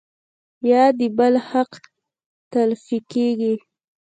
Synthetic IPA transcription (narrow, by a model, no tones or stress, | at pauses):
jɑd̪əbəlhaq | t̪alfikeɡi